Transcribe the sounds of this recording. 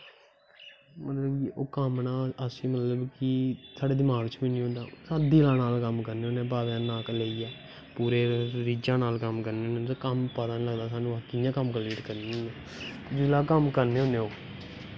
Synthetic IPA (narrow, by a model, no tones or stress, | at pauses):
mət̪ləbʔoːkəmnaːləsĩːmət̪ləbkɪsaːɖeːd̪ɪmaːɡt͡ʃbiːnĩːɦõːnd̪aːsaːd̪iːlaːnaːlkəmkəɾneːõːnẽːp̬aːʋãːnaːkleːiːɛː | puːɾeːɾiːd͡ʒãːnaːlkəmkəɾneːɦõːnet̪ːkəmpət̪aːnĩːləɡd̪aːsaːnũːaːkɪjãːkəmkəleːʈkəɾniãː | d͡ʒɪlaːkəmkəɾneːoːneːoː